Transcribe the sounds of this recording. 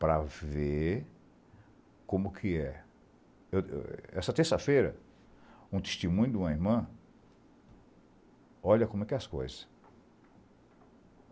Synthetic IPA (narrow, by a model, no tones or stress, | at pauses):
pɾɐve | kõmʊkʰɪɛ | ew̰ɛ̰sɐt̪eɾsɐfejɾɐ | ũt̪e̥st̪emũɲʊd̪ũmɐiɾmɐ̃ | ɔʎɐkõmɛkɛɐskojzɐs